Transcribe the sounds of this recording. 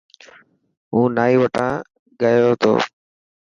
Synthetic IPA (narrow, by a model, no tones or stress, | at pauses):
ɦũːnaːiːʋəʈʰã̰ː | ɡəjoːt̪ʰo̰ː